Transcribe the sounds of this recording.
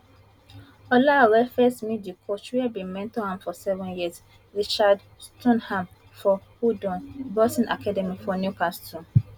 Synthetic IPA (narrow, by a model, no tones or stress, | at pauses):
ɔlawɛfɛstmidikʰot͡ʃwiɛbĩmɛ̃ntɔhãmfɔsɛvɛ̃njis | ɹit͡ʃad | stʰɔ̃nhãm | fɔhudɔ̃nbɔsĩnakʰadɛmifɔnjukastũ